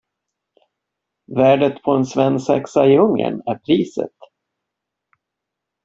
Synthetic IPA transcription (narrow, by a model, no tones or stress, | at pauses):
væːɖət̪pʰɔɛnsvɛnːsɛ̰ksaɪɵŋːə̰næɾpʰɾiːsə̰t̪